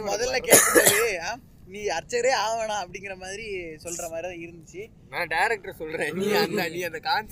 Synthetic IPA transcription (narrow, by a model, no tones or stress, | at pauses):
mɔðɐllɐkeːʈkːɯɽaːɾɯaː | niːɐɾt͡ʃːɐɾeːaːʋɐɳãːɐpːɐɽɪŋɡɪɾɐmaːðɪɾisɔlːɾɐmaːðɾiãːɪɾɯnd̪ɯt͡ʃːɯ | nãːɖɐɪɾɛk̚ʈɐsɔlːɾẽːniːɐnd̪ɐniːɐnd̪ɐkaːns